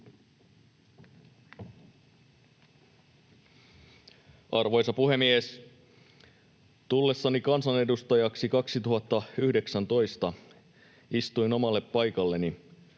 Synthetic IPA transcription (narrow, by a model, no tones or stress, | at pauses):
ɑrʋo̞jsɑpuhe̞mies | t̪ulːe̞sːɑnikɑnsɑne̞dust̪ɑjɑksikɑksit̪uhɑt̪ːɑyhde̞ksænt̪o̞jst̪ɑ | ist̪ujno̞mɑlːe̞pːɑjkɑlːe̞ni